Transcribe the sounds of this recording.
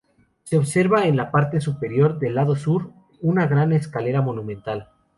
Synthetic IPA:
se̞oβse̞ɾβaenlapaɾt̪e̞s̬upe̞ɾjo̞ɾðe̞lːaðo̞suɾ | unaɣɾaneskale̞ɾamo̞nũmẽnt̪al

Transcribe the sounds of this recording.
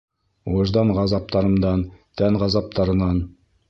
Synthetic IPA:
woʒd̪ɑɴʁɑzɑp̚t̪ɑɾɤ̆md̪ɑnt̪ʰænʁɑzɑp̚t̪ɑɾɤ̆nɑn

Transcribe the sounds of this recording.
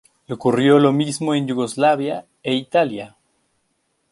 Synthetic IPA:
leokurjo̞lo̞mizmoenjuɣo̞zlaβja | eit̪alja

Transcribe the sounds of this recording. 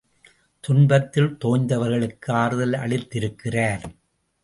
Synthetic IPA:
t̪ʊɳbɐt̪ːɪlt̪oːɲd̪ɐʋɐɾɣɐɭɯkːɯaːɾɯðɐlɐ̰ɭɪt̪ːɪɾɯkːɪraːɾ

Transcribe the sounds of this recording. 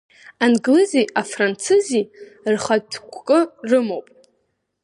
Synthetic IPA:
anɡlɨziafrant͡sʰɨzirχadʰkʷʰkʼɨrɨmowpʼ

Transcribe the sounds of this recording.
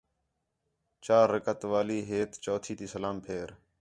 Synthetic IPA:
t͡ʃaːɾːəkət̪ʋaːliːɦeːt̪t͡ʃoːt̪ʰiːt̪iːsəlaːmpʰeːɾ

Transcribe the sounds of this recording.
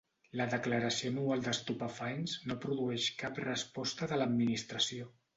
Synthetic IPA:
ləðəkləɾəsionualˠd̪əst̪upəfajnznopɾuðuɛʃkaprəspɔst̪əðələd̪minist̪ɾəsio

